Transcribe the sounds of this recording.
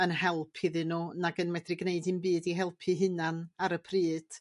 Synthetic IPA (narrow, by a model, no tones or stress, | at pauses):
ənɦɛlˠpʰiðɨnunaɡənmɛdrɪɡneɨdɨnbiːdiɦɛlˠpʰɨɦɨnanaɾəpʰriːd̥